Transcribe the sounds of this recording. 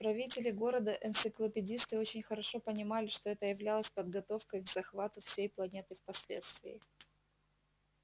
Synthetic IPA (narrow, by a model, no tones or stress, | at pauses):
pɾɐvʲitʲɪlʲɪɡo̞ɾəd̪əʔɨnt̪sɨklˠəpʲɪdʲist̪ɨo̞t͡ɕɪnʲxəɾɐʂo̞pənʲɪmalʲɪʂt̪o̞ɛt̪əjɪvlʲalˠəsʲpəd̪ɡɐt̪o̞fkəjɡz̥ɐxvat̪ʊfsʲejplˠɐnʲe̞t̪ɨfpɐsʲlʲḛt̪st̪vʲɪ̰ɪ